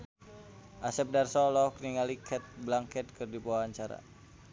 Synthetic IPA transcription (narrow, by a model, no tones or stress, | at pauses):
ʔasɛp̚darsɔlɔɔkniŋalikʰɛt̪̚blaŋkɛt̪̚kɨrdipuaaɲt͡ʃaɾa̰